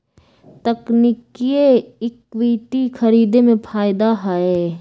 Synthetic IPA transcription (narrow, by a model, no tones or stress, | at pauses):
t̪ɐknɪkieɪkwiːt̪ikʰɐɾiːd̪emẽpʰaːɪd̪aɦae